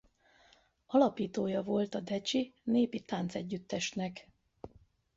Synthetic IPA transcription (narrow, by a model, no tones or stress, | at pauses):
ɒlɒpiːt̪oːjɒvo̞lt̪ɒd̪ɛt͡ʃineːpit̪aːnt̪sɛɟːyt̪ːɛʃnɛk